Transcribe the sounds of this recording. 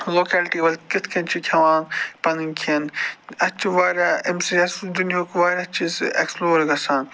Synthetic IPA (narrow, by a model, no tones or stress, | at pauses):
loːkɛːlʈiːʋɐlʲkɪt̪ʰkʰɐnt͡ʃʰikʲʰɐʋãːnpɐnɨnkʰinɐt͡ʃʰiʋaːɾʲaːʔemsiɐsd̪unijoːkʋaːɾʲat͡ʃʰizḛksploːɾɡɐsaːn